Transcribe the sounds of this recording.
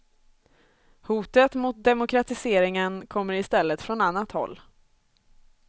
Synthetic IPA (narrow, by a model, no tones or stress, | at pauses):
huːt̪ət̪mʊt̪̚d̪ɛmʊkʰɾat̪ɪseːɾɪŋənkʰɔmːəɾɪst̪ɛlːət̪fɾɔnanːat̪hɔ̰lː